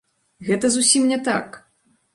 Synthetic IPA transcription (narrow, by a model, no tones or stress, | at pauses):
ɣɛt̪ɐzusʲimnʲɛt̪a̰k